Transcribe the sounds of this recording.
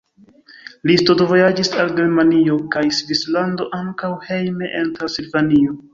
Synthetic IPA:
listodovo̞jad͡ʒisalɡe̞ɾmanio̞kajsvislando̞ʔaŋkawhe̞jme̞ʔentɾasilvanio

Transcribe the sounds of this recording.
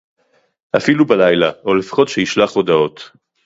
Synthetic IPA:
ʔafilubalajlaolefḁχo̞t̪ʃeiʃlaχo̞d̪ao̞t̪

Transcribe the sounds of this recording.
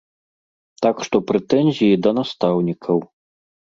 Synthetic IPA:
t̪akʂt̪ɔpɾɛt̪ɛnʲzʲijid̪ɐnast̪awnʲikʰɐw

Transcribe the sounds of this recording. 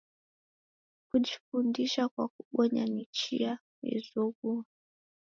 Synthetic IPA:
kuʄifundiʃakwak̚uɓɔɲanit͡ʃia | mɛ̰zɔɣua

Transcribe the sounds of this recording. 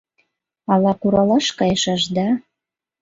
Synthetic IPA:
ɑlɑkuɾɑlɑʃkɑjəʃɑʃd̪ɑ

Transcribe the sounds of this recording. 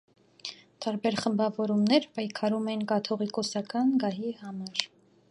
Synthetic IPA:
t̪ɑɾbɛɾχəmbɑvɔɾumnɛɾpɑjkʰɑɾumɛnkɑt̪ʰɔʁikɔsɑkɑnɡɑɦihɑmɑɾ

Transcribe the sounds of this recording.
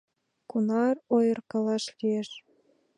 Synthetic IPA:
kunɑrojɤ̆rkɑlɑʃlieʃ

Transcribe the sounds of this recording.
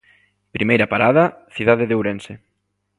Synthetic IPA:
pɾʔimejɾɐpaɾaðɐθiðaðeðewɾensɪ

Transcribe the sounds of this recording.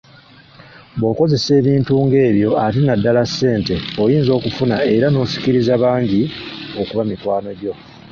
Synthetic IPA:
bo̞ko̞ze̞se̞ːβiːntuːŋɡe̞ːβjo̞atinadːalasːe̞ːnte̞ojiːnzo̞ːkufunae̞ɾano̞ːsi̥ciɾizaβaːɲɟio̞kuβamikwaːno̞ɟo̞

